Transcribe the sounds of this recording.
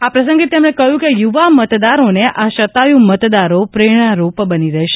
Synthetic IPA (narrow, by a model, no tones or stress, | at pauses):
apɾəs̬ə̃ŋɡet̪emɽ̃ekəjũkejuʋamət̪d̪aɾoneʔaʃət̪ajũmət̪d̪aɾopɾeɽ̃aɾopbəniɾəɦʃe